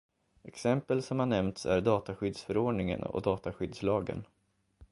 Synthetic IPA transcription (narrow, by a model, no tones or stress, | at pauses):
ɛksɛmpəlsɔmhanɛmnt̪sæ̰ɖɑːt̪aɧʏd̪sfœɾoːɖɳɪŋə̰nɔ̰d̪ɑːt̪aɧʏd̪slɑːɡə̰n